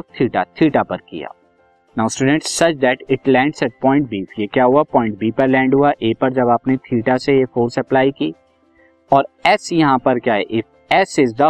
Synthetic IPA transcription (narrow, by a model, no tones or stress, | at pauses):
t̪ʰiːʈat̪ʰiːʈapɐɾkḭja̰ː | nãːʊ̃sʈuːɖə̃ɳʈsːɐt͡ʃd̪ɛʈɪʈlɛ̃ːɳʈsɛʈ̚pɔ̃ːɪ̃ɳʈ̚biːfjekjaːɦuapɔ̃ːɪ̃ɳʈ̚biːpɐɾlɛ̃ːɳɖɦuaʔeːpɐɾd͡ʒɐbaːpnet̪ʰiːʈasejefoːɾsɐplaːikiː | ɔːɾɛːsjɐɦãpɐɾkjaːɦɛʔɪf | ɛːsɪzd̪ɐ